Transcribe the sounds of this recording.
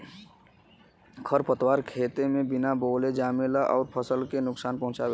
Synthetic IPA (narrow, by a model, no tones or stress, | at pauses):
kʰəɾpət̪waɾkʰet̪emẽbinaboled͡ʒaːmelaʔɔːɾpʰəsəlkenʊksaːnpə̃ɦʊ̃t͡ʃabe